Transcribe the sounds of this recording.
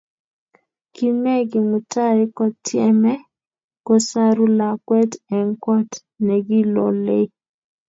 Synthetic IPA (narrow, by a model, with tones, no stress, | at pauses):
ki˦mɛ˦ɡɪ˨mu˨ta˦ɾɪ˦kɔ˦tjɛ˦mɛ˦ | kɔ˦sa˦ɾu˦la˨kwɛ˦tɛ˨ŋkɔ˦t | nɛ˨ɡɪ˦lɔ̰˨le˦